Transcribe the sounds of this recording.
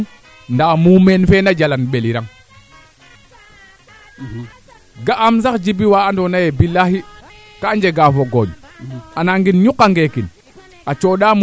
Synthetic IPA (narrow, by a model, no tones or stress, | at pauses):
ndamumenfenad͡ʒalanɓeliɾaŋ | ɡaʔːmsakd͡ʒibiwaːndɔnajebilaɦi | kaɲd͡ʒeɡafoɡoɲanaŋɡinɲukːaŋɡekin | at͡ʃoːɗaːm